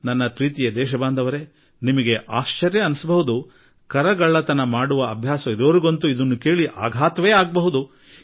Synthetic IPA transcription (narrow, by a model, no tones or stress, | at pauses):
nɐnːɐpɾiːt̪ijɐd̪ɛːʃɐbaːnd̪ʱɐʋɐɾe | nimɐɡe̞ʔaːʃt͡ʃɐɾjɐːnusɐbɐɦud̪u | kɐɾɐɡɐɭːɐt̪ɐnɐmaːɽuʋɐɐbʱjaːsɐid̪oːɾuɡont̪uid̪ɐnːuke̞ːɭiʔa̰ːɡʱaːt̪ʋeːaːɡ̚bɐɦud̪u